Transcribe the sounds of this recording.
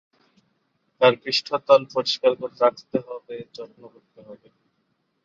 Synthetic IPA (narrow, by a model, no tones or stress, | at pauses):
t̪aɾkɾiʃʈʰot̪ɔlpoɾiʃkaɾkoɾt̪ɾakʰt̪eɦɔbet͡ɕɔʈnokoɾt̪eɦɔbe